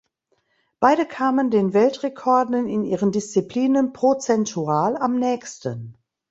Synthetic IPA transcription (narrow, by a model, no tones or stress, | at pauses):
b̥aɪdəkʰaːməndeːnvɛltʁekʰɔɐdn̩ɪnʔiːʁəndɪst͡sipl̥iːnənpʁ̥ot͡sɛntʰuaːlamnɛːçstən